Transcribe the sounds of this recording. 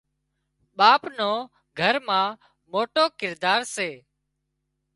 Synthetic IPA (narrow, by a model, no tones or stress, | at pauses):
ɓaːpnoː | ɡʱəɾmãː | moːʈoːkɪɾd̪aːɾseː